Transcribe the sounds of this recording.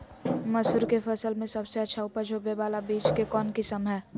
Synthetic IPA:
mɐsuːɾkefɐsəlmẽsɐbseɐtːʃʰaʊpəɾd͡ʒʰʱoːbebaːlabiːt͡ʃkekɔːnkɪsəmɦɛː

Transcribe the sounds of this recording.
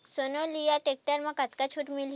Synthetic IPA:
sonolijaʈek̚ʈəɾmãkat̪kat͡ʃʰuʈmil

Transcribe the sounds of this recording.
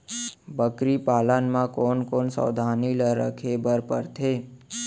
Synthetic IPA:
bəkɾipalanmãkonkonsə̰ːd̪ʱaniləɾəkʰebəɾpəɾt̪ʰe

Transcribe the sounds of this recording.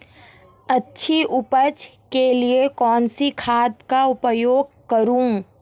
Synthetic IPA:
ɐtːʃʰiʔʊpət͡ʃ | keliekɔːnsikʰaːd̪kaʊpəjoːɡkəɾũː

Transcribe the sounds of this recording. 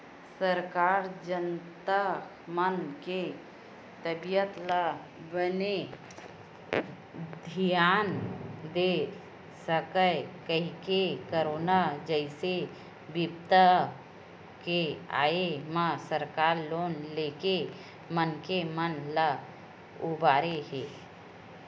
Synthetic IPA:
səɾkaːɾd͡ʒənt̪a | mənke | t̪əbijət̪lə | bəne | d̪ʱijaːnd̪e | səkəkəɦikekəɾoːnad͡ʒəɪse | bɪpt̪ə | kea̰ːemãsəɾkaːɾloːnleːke | mənkemənlə | ʊbaːɾeɦeː

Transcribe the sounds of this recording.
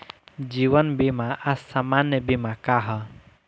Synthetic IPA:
d͡ʒiwənbimaʔasːamanjəbimakaɦə

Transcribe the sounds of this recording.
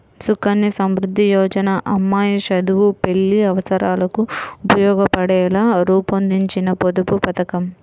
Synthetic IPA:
sukɐnːisɐmɾud̪ʱːijɔːd͡ʒɐnaʔɐmːaːjɐʃɐd̪uʋupe̞ɭːiɐʋɐsɐɾaːlɐkuupɐjɔːɡɐpɐɽɛːlaːɾuːpond̪iɲt͡ʃinɐpod̪upupɐt̪ɐkɐm

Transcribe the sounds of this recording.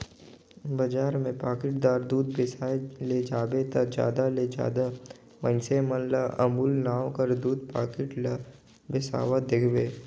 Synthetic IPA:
bɐd͡ʒaːɾmẽpaːkɪʈ̚d̪aːɾd̪uːd̪bɪsaled͡ʒaːbet̪ɐd͡ʒa̰ːd̪aled͡ʒa̰ːd̪a | mə̃nsemənlaʔɐmuːlnaːwkəɾd̪uːd̪paːkɪʈl | bɪsa̰ːʋad̪ɪkʰbeː

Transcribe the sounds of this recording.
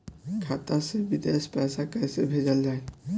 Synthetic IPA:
kʰat̪asebid̪espasakajsebʱed͡ʒald͡ʒaj

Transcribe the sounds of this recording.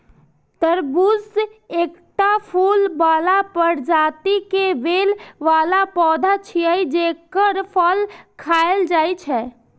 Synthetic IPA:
t̪əɾbusekʈapʰulbaːlapəɾd͡ʒat̪ikeʋelʋalapɔd̪ʱat͡ʃʰiəjd͡ʒekəɾpʰəlkʰaeld͡ʒajt͡ʃʰɛ

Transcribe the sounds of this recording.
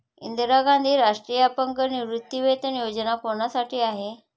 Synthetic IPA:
ḭnd̪əɾaɡand̪ʱiːɾaʂʈɾiːjapəŋkəniʋɾut̪ːjiʋet̪ənjod͡ʑənakoɳasaʈʰiːaɦe

